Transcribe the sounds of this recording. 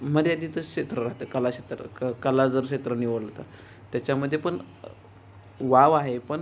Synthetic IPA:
məɾjad̪iːt̪əɕet̪ɾəɾaɦt̪əkəlaɕet̪ɾə̰kəlad͡zəɾɕet̪ɾəniʋəɭət̪a | t̪jat͡ɕaməd̪ʱːjepəɳ | ʋaʋaɦepəɳ

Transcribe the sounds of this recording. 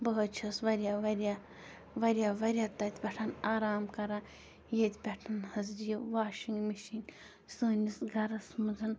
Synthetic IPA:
bɐɦut̪̚t͡ʃʰɐsʋɐɾʲjaːʋɐɾʲjaː | ʋɐɾʲjaːʋɐɾʲjaːt̪ɐt̪ʰʲbʲɛʈʰanaːɾaːmkɐɾãː | jet̪ʲʰbʲɛʈʰɐnhɐs̬d͡ʒijɐʋaːʃiŋɡmiʃiŋɡ | suːnisɡʱɐɾɐsmud͡zɐn

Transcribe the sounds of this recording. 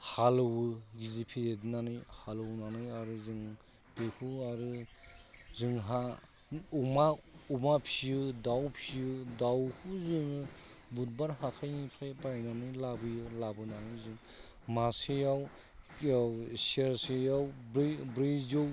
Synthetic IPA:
halɯwɯɡizipʰizedinanɯjhalɯwnanɯjaɾɯzɯŋ | b̥ekʰuaɾɯ | zɯŋɦa | umaumapʰijɯdawpʰijɯdawkʰuzɯŋɯ | but̚baɾhatʰajnipʰajpajnanɯjlabɯjɯlabɯnanɯjzɯŋ | masejaw | awsieɾsejawbbɾɯjzow

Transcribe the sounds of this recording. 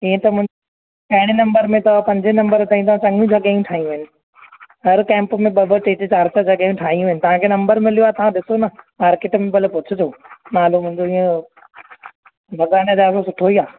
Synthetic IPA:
iːə̃t̪ɐmʊ̃ɪ̃ | ɐɦɪɽ̃enɐ̃mbəɾmẽt̪ɐpɐ̃ɲd͡ʑenɐ̃mbəɾt̪aːɦĩt̪ɐʋãt͡ɕɐ̃ŋɡijũd͡ʑɐɠaːjũʈʰaːɦijũɦɪnɪ̆ | ɦɐɾkɛ̃ːmpmẽɓɐbʱət͡ɕeːt͡ɕɪt͡ɕaːɾsad͡ʑɐɠaːjũʈʰaːɦĩjũɪnɪ̆t̪ɐʋ̤ãkʰeːnɐ̃mbəɾmɪlijoaːt̪ɐʋ̤ãɗɪsonɐmaːɾkeːʈmẽbɐlpʊt͡ɕʰɪd͡ʑʰoːnaːlomʊ̃ɦɪ̃ɲd͡ʑoiːə̃ | bʱɐɡaːned͡ʑaːkosʊʈʰoiaː

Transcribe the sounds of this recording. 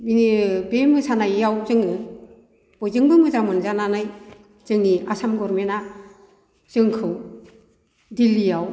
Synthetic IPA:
binibemɯsanajawzɯŋɯ | b̥ɔjzɯŋbɯŋmɯzamɯnzananaj | z̥ɯŋiasamɡɔɾmena | z̥ɯŋkʰɯw | dilijaw

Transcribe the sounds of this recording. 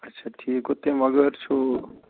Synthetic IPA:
ətːʃʰaʈʰiːkot̪eməɡəɾt͡ʃʰu

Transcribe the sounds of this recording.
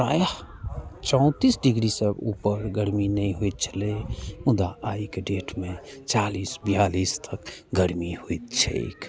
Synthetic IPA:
ɾa̰ːjə | t͡ʃɔ̃ʊ̃t̪isɖiɡɾisəbupəɾɡəɾminəĩɦoit̪̚t͡ʃʰəlemud̪aaikeɖeʈmẽt͡ʃalisbijalist̪ʰəkɡəɾmihoit̪t͡ʃʰɛ̰kʰ

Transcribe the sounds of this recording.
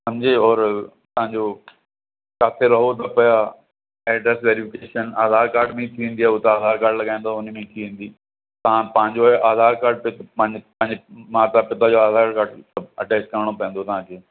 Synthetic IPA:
sɐmd͡ʑeːɔːɾ | t̪ɐɦãɲd͡ʑo | kaːt̪ʰeɾɐɦot̪ɐpɐja | ɛːɖɾɛːsʋeːɾɪfʰɪkeːʃənaːd̪ʱaːɾkaːɾɖmẽĩt̪ʰiʋẽːnd̪iaːt̪aaːd̪ʱaːɾkaːɾɖlɐɠaːɪ̃ẽnd̪oʊnmẽt̪ʰiʋẽːn̆d̪iː | t̪ɐãpɐ̃ɦɪ̃ɲd͡ʑoʔaːd̪ʱaːɾkaːɾɖ̚pɪt̪pɐ̃ɦpɐ̃ɦɪ̃ɲd͡ʑmãːt̪apɪt̪ad͡ʑoaːd̪ʱaːɾkaːɾɖəbɐʈeːsʈ̚kɐɾəɽ̃opɐ̃ẽnd̪oːt̪ɐʋ̤ãkʰeː

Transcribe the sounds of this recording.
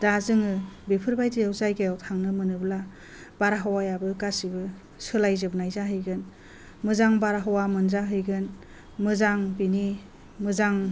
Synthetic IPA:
d̥azɯŋɯbipʰɯɾbajtiawzajɡajawtʰaŋnɯmɯnɯbla | b̥aɾaɦawajabɯkasibɯ | sɯlajzɯbnajzaɦɯjɡɯn | mɯzaŋbaɾaɦɔwamɯnzaɦɯjɡɯn | mɯzaŋbini | mɯzaŋ

